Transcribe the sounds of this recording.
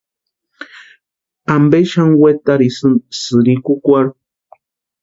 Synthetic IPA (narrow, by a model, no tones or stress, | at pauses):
ambeʃaŋwet̪aɾisɨnsɨɾikukʷaɾ